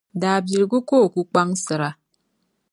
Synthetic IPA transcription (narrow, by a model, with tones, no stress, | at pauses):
daː˨bi˨ɾɡu˦koː˦˨ku˦k͡pa˦ŋsɨ˨ɾa˨